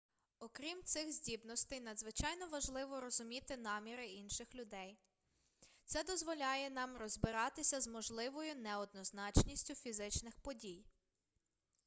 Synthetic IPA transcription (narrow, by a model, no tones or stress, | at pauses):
ɔkɾʲimt̪sɪxzʲdʲibnɔst̪ɛjnɐd̪zʋɪt͡ʃɑjnɔʋɐʒlˠɪʋɔɾɔzʊmʲit̪ɪnɑmʲiɾɪinʃɪxlʲʊd̪ɛj | t̪sɛd̪ɔzʋɔlʲɑjɛnɑmrɔzbɪɾɑt̪ɪsʲɐzmɔʒlˠɪʋɔjʊnɛɔd̪̚nɔznɑt͡ʃnʲisʲtʲʊfʲizɪt͡ʃnɪxpɔdʲij